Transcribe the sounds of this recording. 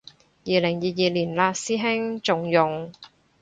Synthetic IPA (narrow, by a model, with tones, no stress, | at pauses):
jiː˨lɪ˨˩ŋjiː˨jiː˨liː˨˩nlaː˧siː˥ɦɪ˥ŋt͡sʊ˨ŋjʊ˨˩ŋ